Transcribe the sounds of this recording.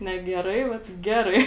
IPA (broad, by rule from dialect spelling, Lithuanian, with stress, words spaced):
nʲɛ ɡʲɛˈrɐɪ ˈʋɐt ˈɡʲæːrɐɪ